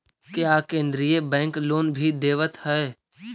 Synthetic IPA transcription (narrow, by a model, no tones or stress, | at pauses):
kjaːkẽːnd̪ɾijebɛ̃ːŋkloːnbʱid̪eːʋət̪hɛe